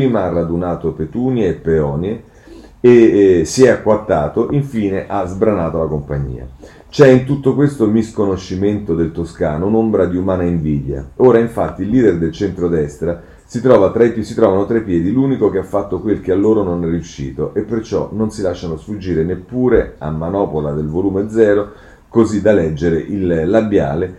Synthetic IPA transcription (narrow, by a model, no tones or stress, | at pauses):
piːmaarːad̪unaːt̪opet̪uːnjeːpːeɔːnje | esiɛakːwat̪ːaːt̪oʔiɱfiːneʔazbɾanaːt̪olakompaɲːḭːa̰ | t͡ʃɛint̪ut̪ːokwest̪omiskonoʃːiment̪od̪elt̪oskaːnounombɾad̪iumaːnaiɱviːd̪ja̰oːɾaiɱfat̪ːiːlːiːd̪erd̪elt͡ʃɛnt̪ɾod̪ɛst̪ɾa | sit̪ɾɔːvat̪ɾasit̪ɾɔːvanot̪ɾepːjɛːd̪iluːnikok̟eafːat̪ːokwelk̟ealːoːɾononɛriuʃːiːt̪oʔepːert͡ʃɔ̰nonsilaʃːanosfud͡ʒːiːɾenepːuːɾea̰mːanɔːpolad̪elvoluːmed̪zɛːɾo | kozid̪alɛd͡ʒːeɾeʔilːabja̰ːle